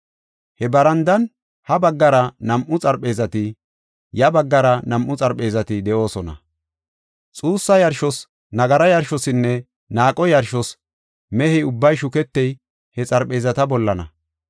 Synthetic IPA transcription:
hɛbɐɾɐnd̪ɐn | hɐbɐɡːɐɾɐnɐmʔʊt͡sʼɐɾpʼːe̞ːzɐt̪ɪ | jɐbɐɡːɐɾɐnɐmʔːʊt͡sʼɐɾpʼe̞ːzɐt̪ɪd̪ɛʔo̞ːsɔnɐ̰ | t͡sʼuːsːɐjɐɾʃɔs | nɐɡɐɾɐjɐɾʃɔsɪnːɛ | naːkʼɔjɐɾʃɔs | mɛhɛʊbːɐjʃʊkɛt̪ːɛj | hɛt͡sʼɐɾpʼe̞ːzɐt̪ɐbɔlːɐnɐ̰

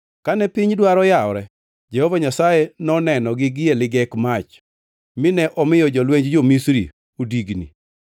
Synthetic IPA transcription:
kanɛpɪɲdwaɾɔjaɔɾɛ | d͡ʒɛhovaɲasajenɔnɛnɔɡɪɡɪjelɪɡɛkmat͡ʃ | mɪnɛʔɔmɪjɔd͡ʒɔlweɲd͡ʒd͡ʒomisɾḭ | odiɡnḭ

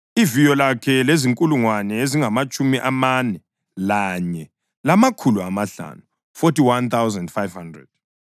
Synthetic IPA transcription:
ivijɔlakʰɛleziŋkʼuluŋwanɛeziŋamat͡ʃʼumiʔamanɛ | laɲɛ | lamakʰuluamaɬa̰nu | fotiwant̪ʰawzɛndfajv̥handrɛ̰d̥

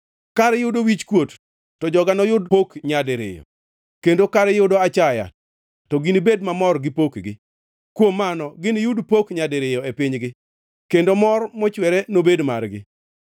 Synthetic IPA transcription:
kaɾɛjʊdowit͡ʃkwot | tɔd͡ʒɔɡanɔjʊdpokɲadɪɾɪ̰jɔ̰ | kendokaɾɛjʊdɔat͡ʃaja̰ | tɔɡinibedmamɔrɡɪpokɡɪ | kwomːanɔɡɪnɪjʊdpokɲadɪɾɪjɔepɪɲɡɪ | kendomɔrmɔt͡ʃwɛɾɛnobedmarɡɪ̰

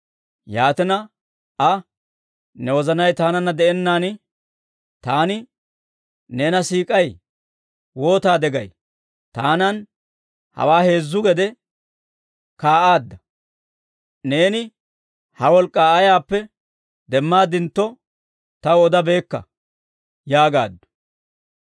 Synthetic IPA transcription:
jaːt̪ɪnɐ | ʔɐ | nɛwɔzɐnɐjt̪aːnɐnːɐd̪ɛɛnːaːnɪ | t̪aːnɪ | neːnɐsiːkʼɐj | wo̞ːt̪aːd̪ɛɡɐj | t̪aːnɐn | hɐ̰waːhe̞ːzːʊɡɛd̪ɛ | kaːʔaːd̪ːɐ | ne̞ːnɪ | hɐwɔlkʼːaːɐjaːpːɛ | d̪ɛmːaːd̪ɪnt̪ːɔ | t̪ɐwɔd̪ɐbe̞ːkːɐ̰ | jaːɡa̰ːd̪ːʊ̥

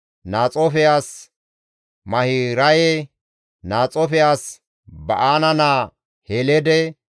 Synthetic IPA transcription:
naːt͡sʼɔfɪjaːs | mɐhiɾɐjɛ | naːt͡sʼɔfɪjaːs | bɐʔaːnɐnaː | helɛd̪ɛ

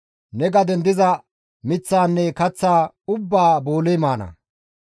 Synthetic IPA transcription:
nɛɡɐd̪ɛnd̪ɪzɐ | mɪt͡sːaːnːɛkɐt͡sːaː | ʊbːaːboːlɛjmaːnɐ̰

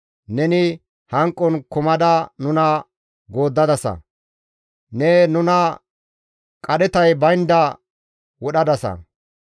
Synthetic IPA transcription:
nɛnɪ | hɐŋkʼːɔnkʊmɐd̪ɐnʊnɐ | ɡoːd̪ːɐd̪ɐsɐ̰ | nɛnʊnɐ | kʼɐdɛt̪ɐjbɐjnd̪ɐ | wɔɗɐd̪ɐsɐ̰

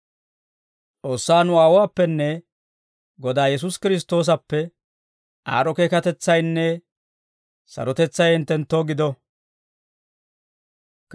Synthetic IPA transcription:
t͡sʼo̞ːsːaːnʊaːwaːpːɛnːɛ | ɡɔd̪aːjɛs̬ʊskɪɾɪs̬t̪o̞ːs̬ɐpːɛ | ʔa̰ːɾɔke̞ːkɐt̪ɛt͡sːɐjnːɛ | sɐ̰ɾɔt̪ɛt͡sːɐjɛnt̪ːɛnt̪ːoːɡɪd̪ɔ

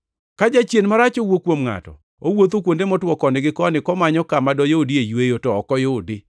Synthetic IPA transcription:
kad͡ʒat͡ʃjenmaɾat͡ʃowokwomŋa̰tɔ̰ | owot̪okwondemɔtwɔkɔnɪɡɪkɔnɪkɔmaɲɔkamadɔjodiejwejotɔɔkɔjodɪ

